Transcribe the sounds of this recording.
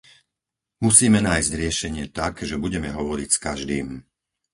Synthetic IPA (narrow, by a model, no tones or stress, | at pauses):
musiːmɛnaːjzɟɾɪɛʃɛɲɪɛt̪akʒɛbuɟɛmɛɦɔʋɔɾicskaʒd̪iːm